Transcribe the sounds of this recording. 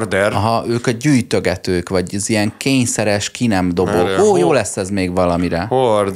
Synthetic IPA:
rd̪ɛrɒɦɒʔøːkɒɟyːjt̪ø̞ɡɛt̪øːkʋɒɟɛzijɛŋkeːɲsɛɾɛʃkinɛmd̪o̞booːjoːlɛsːɛzmeːɡʋɒlɒmiɾɛhor

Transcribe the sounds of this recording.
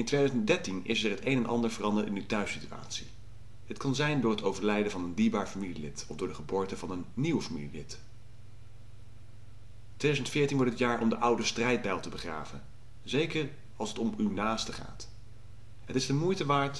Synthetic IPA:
ɪntʋejdœzəndɛɹtinɪ̰sɛɹɦətejnɛnʔɑ̰ndəɹvərɑndəɹtɪnytœɥsitya̰ːtsi | ətkɑnzɛjndʊːɹɦətowvəɹlɛjdəvɑnəndiːɹbaːɹfamililɪtɔfdʊːɹdəχəbʊːɹtəvɑnənːiwəfamḭlilɪt | tʋejdœzəntfɪːɹtinʋɔɹtətjaːɹʔɔmdəʔʌwdəstrɛjd̚bɛjlˠtəbəχra̰ːvə̰n | zejkər | ɑlˠsətɔmynaːstəχa̰ːt | ɦətɪsdəmujtəʋaːɹt

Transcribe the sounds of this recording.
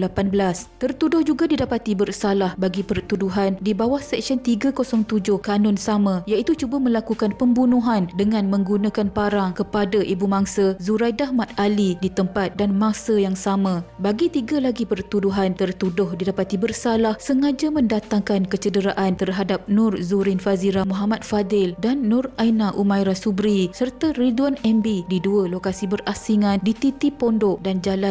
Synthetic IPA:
lapanbəlast̪ərt̪udʊhd͡ʒuɡadidapat̪ibərsalahbaɡipərt̪uduɦandibawahsɛk̚sɔnt̪iɡakosɔŋt̪ud͡ʒʊhkanɔ̃nsamãjait̪ut͡ʃubamə̃lakukanpəmbunũɦandəŋãnmə̃ŋɡunãkanpaɾaŋkəpadaʔibumaŋsazuɾajdaɦmat̪̚alidit̪əmpat̪̚danmãsajaŋsamãbaɡit̪iɡalaɡipərt̪uduɦant̪ərt̪udʊhdidapat̪ibərsalahsəŋad͡ʒamə̃ndat̪aŋkankət͡ʃədəɾaʔant̪ərɦadap̚nʊrzuɾɪnfaziɾamũɦamat̪̚fadɪldanːʊrajnaʔumãjɾasubɾisərt̪ariduwanɛmbididualokasibərasiŋãndit̪it̪ipondoʔdand͡ʒala

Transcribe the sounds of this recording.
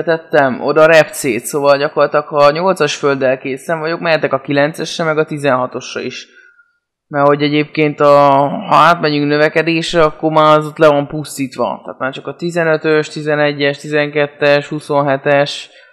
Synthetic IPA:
t̪ɛt̪ːɛmo̞̰d̪ɒɾɛpt̪seːt̪soːvɒlɟɒko̞rlɒt̪lɒkhɒɲo̞lt̪sɒʃføld̪ɛlkeːsɛɱvɒɟo̞kmɛɦɛt̪ɛkɒkilɛnt̪sɛʃrɛmɛɡɒt̪izɛnɦɒt̪o̞ʃrɒ̰iʃ | mɛrho̞ɟɛɟeːp̚keːnt̪ɒhɒ̰aːt̪mɛɲyŋknøvɛkɛd̪eːʃrɛɒkːormaːzot̪lɛvɒmpust̪iːt̪ʋɒ̰t̪a̰ːt̪maːrt͡ʃɒkɒt̪izɛnøt̪øʃt̪izɛnɛɟːɛʃt̪izɛŋkɛt̪ːɛʃhuso̞nɦɛt̪ɛʃ

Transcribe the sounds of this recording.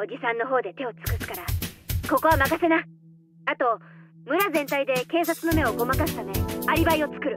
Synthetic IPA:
o̞d͡ʑisãnːo̞ɦo̞ːd̪e̞t̪e̞o̞t͡sɨ̥kɯ̟sɨ̥kaɾako̞ko̞βamakase̞na | at̪o̞ | mɯ̟ɾazẽnt̪aid̪e̞ke̞ːs̬at͡sɨno̞me̞o̞ɡo̞makasɨ̥t̪ame̞aɾʲibaio̞t͡sɨ̥kɯ̟ɾɯ̟

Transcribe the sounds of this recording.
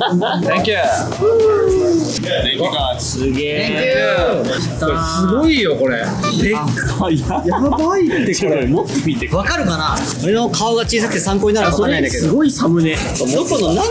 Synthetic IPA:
ẽŋkʲe | sɨɡeː | oɾsɨɡoijoko̞ɾe | jajabait̪ːekoɾemot̪ːok̟it̪ːeβakaɾɯ̟kana | oɾeno̞kʰaoɡat͡ɕiːsakɯ̟̥t̪e̞sãŋko̞ɲ̟inaɾɯsoɾeãd̪akesɨɡo̞isamɯ̟ne | od̪o̞konona

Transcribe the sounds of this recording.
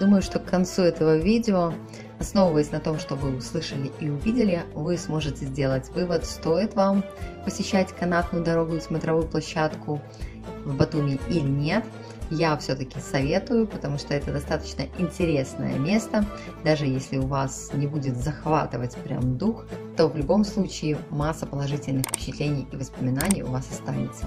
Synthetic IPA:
d̪uməjʊʂt̪o̞kkːɐnt̪suɛt̪əvəvʲidʲɪo | ɐsno̞vəvəjɪsʲnɐt̪o̞mʂt̪o̞vɨʊslˠɨʂəlʲɪʔiʊvʲidʲɪlʲɪvɨsmo̞ʐɨtʲɪzʲdʲelˠətʲvɨvət̪st̪o̞jɪt̪vam | pəsʲɪɕːætʲkɐnat̪nʊjʊd̪ɐɾo̞ɡʊɪzmət̪ɾɐvujʊplˠɐɕːat̪kʰʊ | vbɐt̪umʲɪʔilʲɪnʲe̞t̪ | jafsʲɵt̪əkʲɪsɐvʲe̞t̪ʊjʊpət̪ɐmuʂt̪o̞ɛt̪əd̪ɐst̪at̪ə̥t͡ɕnəʔɪnʲtʲɪɾʲe̞snə̰jə̰mʲe̞st̪ə | d̪aʐɨjesʲlʲɪʊvasnʲɪbudʲɪt̪zɐxvat̪ɨvətʲpɾʲa̰md̪uxt̪o̞vlʲʊbo̞mslˠut͡ɕɪːmasːəpəlˠɐʐɨtʲɪlʲnɨxpʲɪ̥t͡ɕɪt̪lʲenʲɪjivəspəmʲɪnanʲɪjʊ̰vasɐst̪a̰nʲɪt̪sə̥

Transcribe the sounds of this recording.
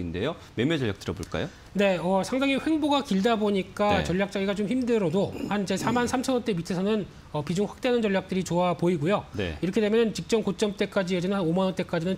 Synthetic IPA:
inde̞̰jo | memjed͡ʑʌʎːja̰kt͈ɯɾʌbo̰ɭk͈a̰jo | ne̞ʌsʰaŋdaŋiɸwe̞ŋboɡakiɭdaboɲik͈a̰t͡ɕʌɭʎːjak̚t͡ɕ͈aɡiɡat͡ɕomçimdɯɾʌdohand͡ʑe̞sʰamansʰamt͡ɕʰʌnʌnt͈e̞mitʰesʰʌnɯn | ʌpid͡ʑuŋɸwḁk̚t͈eanɯnt͡ɕʌɭʎːjak̚t͈ɯɾit͡ɕoapoiɡujonḛiɾʌkʰede̞mjʌnɯnt͡ɕik̚t͡ɕ͈ʌmkot͡ɕ͈ʌmt͈e̞k͈ad͡ʑied͡ʑʌnɯnhanomanʌnt͈e̞k͈ad͡ʑinɯn

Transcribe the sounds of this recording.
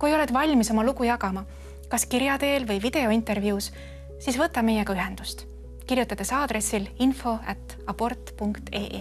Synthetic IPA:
kujejole̞d̪̥vɑlʲmiso̞mɑlukujɑɡɑmɑ | kɑskiɾjɑd̪e̞ːlvɤjvid̪̥e̞o̞int̪ːˑe̞rvjuːs | sisvɤt̪ːˑɑme̞jɛkɑyɦe̞nd̪̥ust̪ | kirjut̪ːˑɑd̪̥e̞sɑːd̪̥ɾe̞sːilinfo̞æt̪ːˑ | ɑpo̞rt̪ːˑpuŋkt̪e̞̰ːʔe

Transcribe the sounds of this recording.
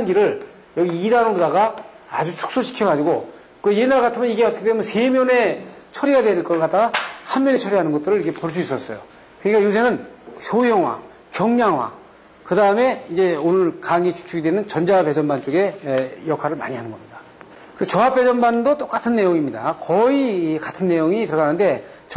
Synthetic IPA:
anɡiɾɯɭ | jʌɡiidanobodaɣa | a̰d͡ʑut͡ɕʰu̥k̚s͈oɕʰi̥kʰjʌɡad͡ʑiɡo | aje̞nːaɾakatʰɯmjʌniɡe̞ʌtʰʌkʰetemɯnse̞mjʌne̞t͡ɕʰʌɾiɡadweɭk͈ʌɭk͈at͈aɡahanmjʌne̞t͡ɕʰʌɾiɦanɯnɡʌt͈ɯɾɯɭikʰepoɭs̬͈uis͈ʌs͈ʌjo̰ | kɯɲik͈ajus̬ʰe̞nɯnsʰojʌŋwa̰ | kjʌŋɲaŋwa̰ | kɯdaɯme̞ind͡ʑe̞onɯɭkaŋit͡ɕʰu̥t͡ɕʰuɡidwenɯnt͡ɕʌnd͡ʑawape̞d͡ʑʌnbant͡ɕ͈oɡe̞jʌkʰaɾɯɭma̰ɲiɦanɯnɡʌ̰mɲida | kɯɯt͡ɕʌwap͈e̞d͡ʑʌnbandot͈ok͈atʰɯnːe̞joŋimɲidakʌikatʰɯnːe̞joŋitɯɾʌanɯnde̞ | t͡ɕ

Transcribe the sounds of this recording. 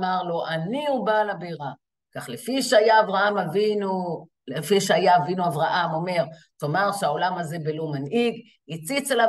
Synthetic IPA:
maʁlo̞ʔaniubalabeʁa | kaχlefiʃeajaːvʁaamavinu | lefiʃeajaːvinuavʁaʔamo̞me̞ʁ | tomaʁʃeaolamaze̞belomaniɡ | it͡sit͡sela

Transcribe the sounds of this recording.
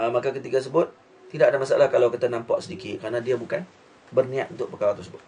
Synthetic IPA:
əmakakət̪iɡas̬əbʊt̪̚ː | idaʔadamasaalahkalawkit̪anãmpa̰ʔsədikɪt̪̚kəɾanadiabukan | bərnĩat̪̚unt̪ʊʔ̚pərkaɾat̪ʊsəbʊt̪̚

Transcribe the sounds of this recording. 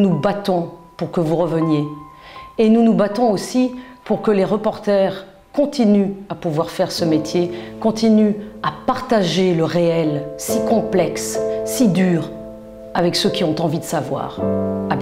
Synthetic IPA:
nubat̪ɔ̃puʁkəvuʁəvənje | enunubat̪ɔ̃osipuʁkəleʁəpɔʁt̪ɛʁ | kɔ̃t̪inyapuvwaʁfɛʁsəmet̪ʰjekɔ̃t̪inyapaʁt̪aʒeləʁeɛlsikɔ̃plɛkssid̪yʁ | avɛksøkʲiɔ̃t̪ɑ̃vid̪əsavwa̰ːʁa

